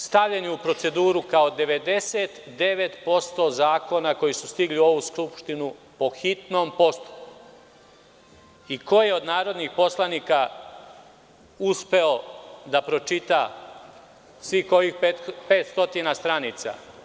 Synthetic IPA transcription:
st̪aʋʎeniupɾo̞t̪se̞d̪uːɾukao̞d̪e̞ʋe̞d̪e̞set̪ | d̪e̞ʋe̞t̪po̞st̪o̞zaːko̞nako̞jisust̪iɡlio̞ʋuskɾupʃt̪inupo̞xit̪no̞ːmpo̞st̪u̥ | iko̞jeo̞d̪naːɾo̞d̪nixpo̞slˠaniːka | uspe̞od̪apɾo̞t͡ʃit̪a | sʋixojixpet̪pe̞ːt̪st̪o̞t̪inast̪ɾaniːt̪sa̰

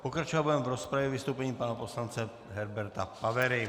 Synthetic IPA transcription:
pokɾat͡ʃovabujɛmvɾospɾavjɛvɪst̪owpɛɲiːpanaposlant͡sɛ | ɦɛɾbɛɾt̪apavɛɾɪ

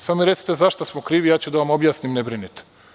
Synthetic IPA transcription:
samomiɾesi̥t̪ezaʃt̪osmokɾiːʋijaːt͡ɕud̪aʋamo̞bjaːsnimnebɾinit̪e̥

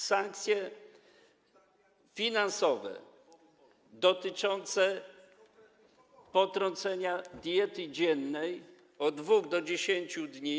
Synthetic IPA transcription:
saŋk̚t̪sʲjɛ | fʲinansɔvɛ̰ | d̪ɔt̪ɘt͡ʂɔnt̪sɛ | pɔt̪ɾɔ̃nt̪sɛɲad̪ʲjɛt̪ɘd͡ʑɛnːɛj | ɔd̪vuɣd̪ɔd͡ʑeɕeɲt͡ɕud̪ɲi

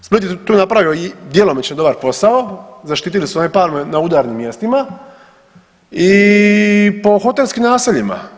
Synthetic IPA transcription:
spit̪jet̪uːnapɾaʋioid̪jelomet͡ɕnod̪o̞baɾpo̞saozaʃt̪iːt̪ilisuonipaːɾmenaud̪aːɾnimːje̞st̪ima | i | po̞xo̞t̪elskimnaːsiʎima̰

